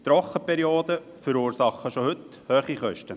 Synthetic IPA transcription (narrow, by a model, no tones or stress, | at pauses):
t̪ɾɔχəpɛɾioːd̪ə | fəɾuːɾsɑχːəʃohɵt̪ | høːχiχœʃtə